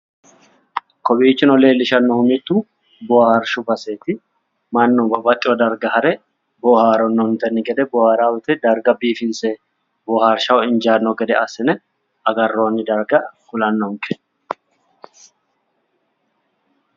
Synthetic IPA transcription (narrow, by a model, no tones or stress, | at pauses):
kɔbiːt͡ʃːɪnɔle̞ːlːɪʃɐnːɔhʊmɪt̪ːu | bɔhɐɾʃʊbɐseːt̪ɪ | mɐnːɔbɐbɐt̪ʼːɪwɔd̪ɐɾɡɐhɐɾɛ | bɔhaːɾɔnːɔnt̪ɛnːɪɡɛd̪ɛbɔhaːɾaːwʊt̪ɛd̪ɐɾɡɐbiːfɪnse | bɔhaɾʃɐwɪnd͡ʒaːnːɔɡɛd̪ɛɐsɪnɛ | ɐɡɐrːoːnːɪd̪ɐɾɡɐkʊlɐnːɔŋkɛ